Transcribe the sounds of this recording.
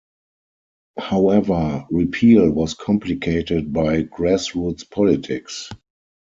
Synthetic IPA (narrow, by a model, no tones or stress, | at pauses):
haʊɛvə˞ɹipʰiːlwɔskʰɔ̃mplikʰeɪtɪd̚baɪɡɹɛsɹutspʰɔlɪtʰɪks